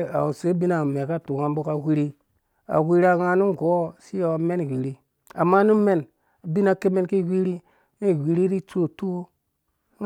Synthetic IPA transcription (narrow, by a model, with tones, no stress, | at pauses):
a̰˨u˨se˨˦bi˦na˨me˨ka˦tu˨ŋa˦m˦bo˦ka˨wi˦ɾi˦ | a̰˨wi˦ɾi˦a˨ŋa˨˦nu˦ɡo˨˦˨si˦jo˨me˦n˨wi˨ɾi˦ | a˨mːa˦nu˦me˦n | a˨bi˦na˨ke˦me˦nki˦wi˦ɾi˦ | ni˦˨wi˨ɾi˦ɾi˦to˦˨tu˦wo˦